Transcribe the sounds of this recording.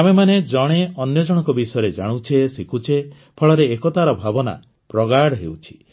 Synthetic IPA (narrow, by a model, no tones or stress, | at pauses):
amemaned͡ʒɔɽ̃eɔnjɔd͡ʒɔɽ̃ɔ̃ŋkɔbisɔjɔɾed͡ʒaɽ̃ut͡ʃʰesikʰut͡ʃʰe | pʰɔɭɔɾeːkɔt̪aɾɔbʱabɔna̰ | pɾɔɡaɽɦḛwt͡ʃʰi̥